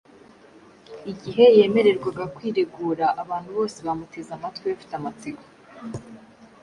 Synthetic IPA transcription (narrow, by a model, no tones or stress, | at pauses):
iɟiɦe̞je̞ːme̞ɾe̞ɾɡwaɡakwiːɾeɡuːɾaʔaβaːn̥huβo̞ːseβamute̞zamatwiβafi̥tamat͡siɡo